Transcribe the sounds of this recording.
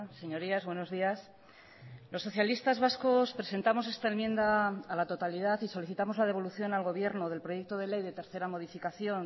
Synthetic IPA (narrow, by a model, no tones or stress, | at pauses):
se̞ɲo̞ɾiazβwe̞no̞zðias | lo̞sːo̞θjalist̪azβasko̞spɾe̞se̞nt̪amo̞s̬e̞st̪ae̞nmjẽ̞nd̪aːlat̪o̞t̪alið̞aθiso̞liθit̪amo̞zlaðe̞β̞o̞luθjo̞nalɣo̞βje̞ɾno̞ð̞e̞lpɾo̞je̞k̚t̪o̞ð̞e̞le̞jðe̞t̪e̞ɾθe̞ɾamo̞ðifikaθjo̞n